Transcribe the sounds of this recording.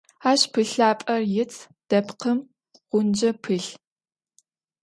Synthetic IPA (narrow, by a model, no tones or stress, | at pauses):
aːɕpʰɨɬaːpʼɐrjɪt͡sʰ | d̥ɐpqəm | ʁ̥ʷʊnd͡ʒɐpʰɨɬ